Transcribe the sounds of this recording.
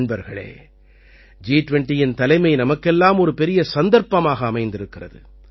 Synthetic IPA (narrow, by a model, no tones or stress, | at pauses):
ɳbɐɾɣɐɭḛː | d͡ʒiːʈʋɛɳʈijɪnt̪ɐlɐɪmɐɪnɐmɐkːɛlːaːmɔɾɯpɛɾɪjɐsɐnd̪ɐɾpɐmaːɣɐːmɐɪnd̪ɪɾɯkːɪrɐ̰ðɯ̰